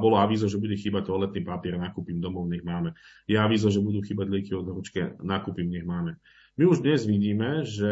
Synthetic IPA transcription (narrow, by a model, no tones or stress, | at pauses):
bɔlɔaʋiːzɔʒɛbuɟɛxiːbac̚t̪ɔlɛt̪niːpapɪɛɾnakupimd̪ɔmɔʊɲɛɣmaːmɛ | jɛaʋiːzɔʒɛbud̪uːxiːbaɟlɛkiɔd̪ɦɔɾut͡ʃkɛnaːkuːpimɲɛɣmaːmɛ | miuʒd̪ɲɛzʋiɟiːmɛʒɛ